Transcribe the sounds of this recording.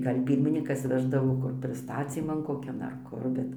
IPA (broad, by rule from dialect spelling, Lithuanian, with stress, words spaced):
ˈɡɐlʲ ˈpʲiːrʲmʲɪnʲiːkɐs ˈʋʲæːʒdɐʋoː ˈkʊr pʲrʲɪsˈtɑːt͡sʲiːmɐn koːˈkʲɛn ɐr ˈkʊr ˈbʲɛt